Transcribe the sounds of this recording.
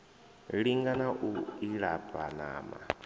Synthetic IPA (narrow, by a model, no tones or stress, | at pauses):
ɺiŋɡanaʔuiɺapʼana̰ːma̰